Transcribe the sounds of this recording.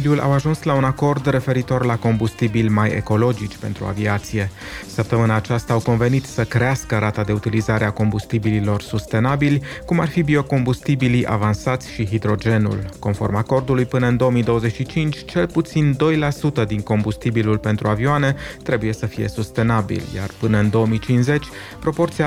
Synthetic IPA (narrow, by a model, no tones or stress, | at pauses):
lʲulʔa̰waʒunslaunako̞rd̪re̞fe̞ɾit̪o̞rlako̞mbust̪ibilʲmajḛko̞lo̞d͡ʒit͡ʃʲpe̞̰nt̪ɾua̰viat̪sije̞ | səp̚t̪əmɨnaːt͡ʃast̪aːwko̞nve̞nit̪səkɾe̞askəɾat̪ad̪e̞ut̪ilizaɾeako̞mbust̪ibililo̞rsust̪e̞nabilʲkumarfibio̞ko̞mbust̪ibiliʔa̰vansat̪sʲʃiɦid̪ɾo̞d͡ʒe̞nṵlko̞nfo̞̰rmako̞rd̪ulujpɨnəɨnd̪o̞wəmid̪o̞wəze̞t͡ʃʲʃit͡ʃint͡ʃʲt͡ʃe̞lput̪sind̪o̞jlasut̪əd̪iŋko̞mbust̪ibilulpe̞nt̪ɾuavioane̞t̪ɾe̞buje̞səfije̞̰sust̪e̞nabḭlʲja̰rpɨnəɨnd̪o̞əmit͡ʃinsze̞t͡ʃʲ | pɾo̞po̞rt̪sia